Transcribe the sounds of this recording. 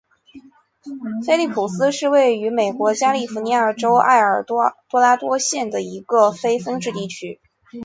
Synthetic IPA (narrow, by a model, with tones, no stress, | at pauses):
fe˥ɪli˥˩pʰu˨˩sɹ̩˥ʂɻ̩˥˧we˥˩ɪy˧˥me˨˩ɪkwɔ˧˥t͡ɕja˥li˥˩fu˧˥ni˧˥aə˞˨˩ʈ͡ʂo˥ʊa̰˥˩ɪə˞˨˩t̪wɔ˥la˥t̪wɔ˥ɕjɛ˥˩nd̪ə˩i˧˥ɡə˧fe˥ɪfɤ˥ŋʈ͡ʂɻ̩˥˧t̪i˥˩t͡ɕʰy˥